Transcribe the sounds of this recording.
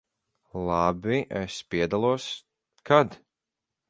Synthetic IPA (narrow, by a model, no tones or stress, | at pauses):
lˠabiʔɛspiɛd̪alˠuɔs | kʰad̪